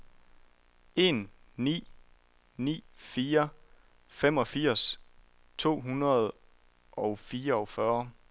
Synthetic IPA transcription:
e̝n | nḭː | nḭːfiːɐ | fem̰ɒ̽fiɐ̰s | t͡sʰo̝̰ːɦunɐðˠ | ʔɒ̽ʊfiːɐɒ̽ʊfɶɐ

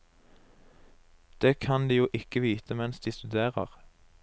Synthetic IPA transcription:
d̪̥eːkʰɑnd̪iːjuːʔɪkəʋiːt̪ʰəmɛnsd̪iːst̪ʉd̪eːʁə̰ʁ

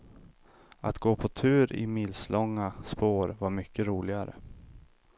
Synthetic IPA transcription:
ʔa̰t̪ɡoːpʰɔt̪ʰʉ̟ːɾɪ̰mɪlslʔɔŋːaspoːɾvaɾmʏkːəɾuːlɪɡaɾə̰

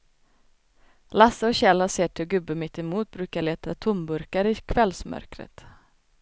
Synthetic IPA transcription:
lasːəɔɕɛlaseːʈʰɪlɡɵbːəmɪt̪ːɛmuːt̪̚bɾʉːkaɭeːt̪ʰat̪ʰʊmbɵɾkaɾɪkʰvɛlsmœ̰ɾkɾə̰t̪

